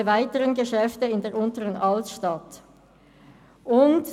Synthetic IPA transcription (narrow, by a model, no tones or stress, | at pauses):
əvaɪtəʁənɡəʃɛftəɪndeːɐʁʊntəʁənʔɑltʃtɑt | ʔʊnt